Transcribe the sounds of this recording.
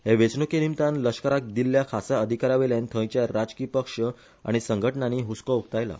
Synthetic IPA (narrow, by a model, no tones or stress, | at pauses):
heʋet͡snukinimt̪anləʂkəɾak̚d̪ilːjakʰasaəd̪ʱikaɾaʋeljant̪ʰə̃jt͡ɕjaɾad͡zkiːpəkʂə | a̰ɽ̃isəŋɡʱəʈɳaniːɦuskəuk̚t̪ajla̰